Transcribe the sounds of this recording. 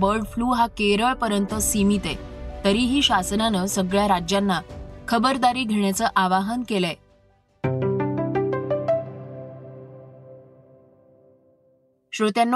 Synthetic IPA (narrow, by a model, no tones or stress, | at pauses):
bəɾɖfluːɦakeɾəɭpəɾjənt̪əsimit̪et̪əɾiːɦiːɕasənanəsəɡɭjaɾad͡ʑjanːakʰəbəɾd̪aɾiːɡʱeɳjat͡səːʔaʋaɦənkele | ɕɾut̪janː